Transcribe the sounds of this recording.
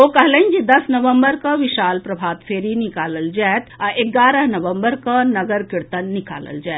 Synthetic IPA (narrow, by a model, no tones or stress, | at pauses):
okɐɦlənd͡ʒid̪ɐsnɐʋə̃mbəɾkaʋɪʃaːlpɾɐbʱaːt̪fʰeːɾinɪkaːləld͡ʒaːt̪aʔeɡaːɾəɦnɐʋə̃mbəɾkanɐɡəɾkɪɾt̪ənːɪka̰ːlə̰ld͡ʒaːt̪